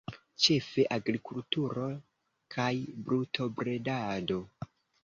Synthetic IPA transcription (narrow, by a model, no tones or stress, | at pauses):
t͡ʃe̞fe̞ʔaɡɾikultuɾo̞ | kʰajbɾutʰo̞bɾe̞dado̞